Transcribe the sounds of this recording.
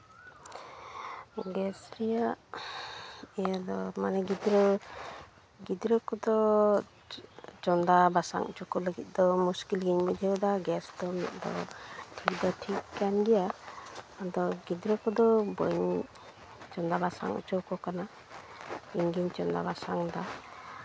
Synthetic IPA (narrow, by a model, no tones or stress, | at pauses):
ɡɛsɾija | ɛjad̪ɔmanɛɡid̪ɾɔ | ɡid̪ɾɔkɔd̪ɔ | t͡ʃɔnd̪abasa̰ŋt͡ʃɔkɔləɡɛt̪̚ˀd̪ɔmuskilɡiɲbid̪ʱid̪aɡɛsd̪ɔmḭt̪̚d̪ɔ̰tʰik̚d̪ɔtʰikkanɡija | ad̪ɔɡid̪ɾɔkɔd̪ɔbɔɲ | t͡ʃɔnd̪abasa̰ŋt͡ʃɔkɔkana | iŋɡiɲt͡ʃɔnd̪a̰basaŋd̪a